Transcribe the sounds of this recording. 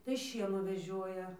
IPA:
tɐɪ ˈʃʲiɛnuː ʋʲɛˈʒʲoːjɛ

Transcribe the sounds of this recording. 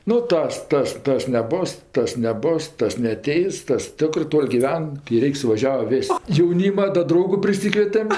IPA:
nʊ ˈtɐs ˈtɐs ˈtɐs nʲɛˈboːs ˈtɐs nʲɛˈboːs ˈtɐs nʲɛɐˈtʲɛɪs ˈtɐs ˈtʲɪkrɜ ˈtoːlʲ ɡʲɪˈʋʲɛn kɐɪ ˈrʲɛɪkʲ sʊʋɐˈʒʲæːʋɐ ˈʋʲɪsʲ jɛʊˈnʲiːmɐ dɐ ˈdrɐʊɡʊ pʲrʲɪˈsʲiːkʋʲiɛtʲɛm

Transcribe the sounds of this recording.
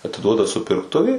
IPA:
ɐtʲɪˈduɔdɐ sʊpʲɪrkˈtʊʋʲɛɪ

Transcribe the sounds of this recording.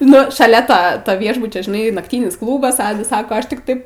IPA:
ˈnʊ ʃɐˈlʲɛ ˈtoː toː ˈʋʲiɛʒbʊt͡ʃʲoː ʒʲɪˈnɐɪ nɐkˈtʲiːnʲɪs ˈklˠuːbɐs ˈɑːdɐs ˈsɑːkoː ˈɐʃ tʲɪk ˈtɐɪp

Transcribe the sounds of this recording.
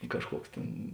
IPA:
ˈkɑːʃˌkuɔks ˈtʲeːn

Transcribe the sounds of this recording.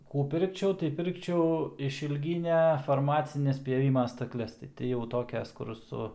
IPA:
ˈkuː ˈpʲɪrkt͡ʃʲɛʊ tɐɪ ˈpʲɪrkt͡ʃʲɛʊ ɪʃʲiːlʲˈɡʲiːnʲɛ fɐrˈmɑːt͡sʲɪnʲɛs pʲjɛˈʋʲɪmɐ stɐkˈlʲɛs tɐɪ tʲɪ jɛʊ ˈtoːkʲɛs ˈkʊr ˈsʊ

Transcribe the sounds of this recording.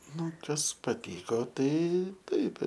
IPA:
ˈnʊ ˈkɐs pɐˈtʲiːkoː ˈtɐɪ ˈtɐɪp

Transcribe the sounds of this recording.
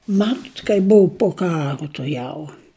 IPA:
ˈmɑːtʊt kɐɪp ˈbʊʊ poː ˈkɑːrʊ tʊˈjɛʊ

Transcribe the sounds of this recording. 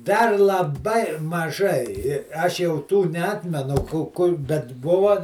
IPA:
ˈdɐr lˠɐˈbɐɪ mɐˈʒɐɪ ɪ ˈɐʃ jɛʊ ˈtuː nʲɛˈɑːtʲmʲɛnʊ ˈkʊ ˈkʊr bʲɛt ˈbʊʋɐ

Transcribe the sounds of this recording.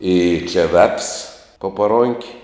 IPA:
ɪ t͡ʃʲɛ ʋʲɛfs poː pɐˈroːŋʲkʲ

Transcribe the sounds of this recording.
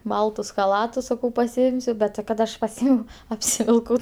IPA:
ˈbɐlˠtʊs xɐˈlˠɑːtʊs sɐˈkɐʊ pɐsʲɪˈɪmʲsʲʊ ˈbʲɛt tʲɪ ˈkɐt ˈɐʃ pɐˈsʲiːmʲɛʊ ɐpʲsʲɪʋʲɪlˠˈkɐʊ

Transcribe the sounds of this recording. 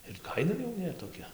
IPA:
ɪr ˈkɐɪnɐ jɛʊ ˈnʲæːtoːˈkʲɛ

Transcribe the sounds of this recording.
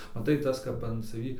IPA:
mɐˈtɐɪ ˈtɐs kɐp ɐn sɐˈʋʲiː

